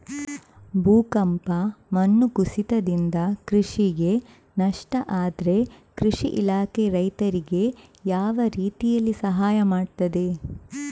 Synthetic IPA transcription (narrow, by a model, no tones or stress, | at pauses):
bʱuːkɐmpɐmɐnːukusit̪ɐd̪ind̪ɐkɾiʂiɡe̞ | nɐʂʈɐʔaːd̪ɾe̞kɾiʂiʔilaːkeɾɐjt̪ɐɾiɡe̞jaːʋɐɾiːt̪ijɐlːisɐɦaːjɐmaːɖt̪ɐd̪e̞